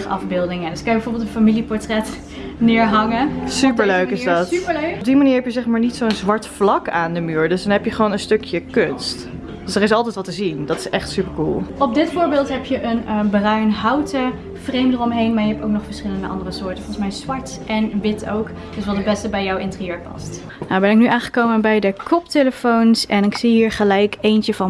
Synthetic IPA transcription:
χɑ̰fbɪːlˠdɪŋədəskɑnjəbɛvoːɹbɪlˠtənfamilipɔɹtrɛt | nɪːɹɦɑŋəsypəɹløɥkɪsdɑtpəlb̚dimaniːɹɦɛpjəzɛχmaːɹnitsoənzʋɑɹtflɑkaːndəmyːɹdɵsdɑnɦɛpjəχəʋonənstɵkjəkønst | d̥øsdərɪs̬ɑlˠtɛjtʋɑtəzindɑtɪsɛχtsypəɹkṵlˠɔb̚dɪtfʊːɹbɪːlˠtɦɛpjəʔənbərœɥnɦɑwtə | v̥rejmdərɔmɦejnmaːɹjəɦɛptowk̚nɔχfəɹsχɪləndə̰ʔɑ̰ndərəsʊːɹtənfɔlˠsmɛjzʋɑɹt | ʔɛnʋɪtʰo̰wk | d̥ɵsʋɑlˠdəbɛstəbɛjɔwɪntrijøːɹpɑ̰st | nabɛnɪk̚nyʔaːŋχə̥kowmənbɛjdəkɔpteləfownsɛnɪksiɦiːɹχəlɛjkejntəvɑn

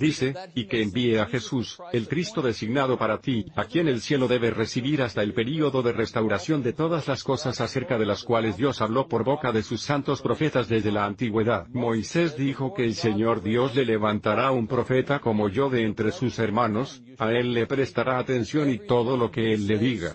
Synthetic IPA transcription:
d̪ise̞ike̞ːmbieaxe̞suse̞lkɾist̪o̞ðe̞siɡnað̞o̞paɾat̪iakje̞ne̞lsje̞lo̞ðe̞βe̞re̞siβiɾast̪ae̞lpe̞ɾio̞ðo̞ðe̞re̞st̪awɾasjo̞nd̪e̞t̪o̞ðazlasko̞sasase̞ɾkaðe̞laskwale̞zd̪jo̞saβlo̞po̞ɾβo̞kaðe̞susːant̪o̞spɾo̞fe̞t̪azðe̞zðe̞laːnt̪iɣwe̞ðaðmo̞jse̞zd̪ixo̞ke̞ːlse̞ɲo̞ɾðjo̞sle̞le̞βant̪aɾaumpɾo̞fe̞t̪ako̞mo̞ʝo̞ðe̞ːnt̪ɾesuse̞ɾmano̞s | ae̞lːepɾe̞st̪aɾʔaːt̪e̞nsjo̞nit̪o̞ðo̞lo̞ke̞e̞lːe̞ðiɣa̰

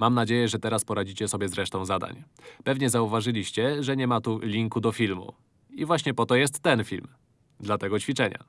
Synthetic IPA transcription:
mamnad͡ʑejɛʐɛt̪ɛɾaspɔɾad͡ʑit͡ɕɛsɔbʲjɛzɾɛʂt̪ɔ̃w̃zad̪a̰ɲ | pɛvɲɛzauvaʐɘlʲiɕt͡ɕɛʐɛɲɛmat̪ulʲiŋkud̪ɔfʲilmṵ | ivwaɕɲɛpɔt̪ɔjɛst̪ːɛnfʲilm | d̪lat̪ɛɡɔt͡ɕfʲit͡ʂɛɲa̰

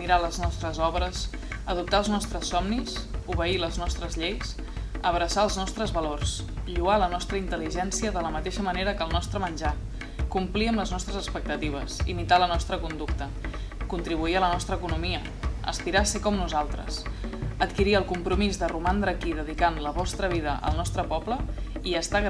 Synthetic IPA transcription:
iɾaləznɔst̪ɾəzɔβɾəs | əðup̚t̪aəlˠznɔst̪ɾəsːɔmnisuβəiləznɔst̪ɾəzʎejs | əβɾəsaəlˠznɔst̪ɾəzβəlors | ʎualənɔst̪ɾəint̪əliʒɛnsiəðələmət̪eʃəməneɾəkəlˠnɔst̪ɾəmənʲʒa | kumpliəmləznɔst̪ɾəzəkspək̚t̪ət̪iβ̞əsḭmit̪alənɔst̪ɾəkund̪ukt̪ə | kunt̪ɾiβ̞uiələnɔst̪ɾəːkunumiə | ə̰spiɾasekɔmnuzalˠt̪ɾə̰sət̪kiɾiəlˠkumpɾumizðərumand̪ɾəkiðəðikanləβɔst̪ɾəβ̞iðəʔə̰lˠnɔst̪ɾəpɔpləiəst̪aɣ

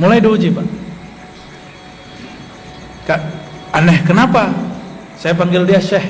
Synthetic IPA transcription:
mulajduud͡ʒiba | kaanɛhkənapa | sajapaŋɡɪldiaʃɛh

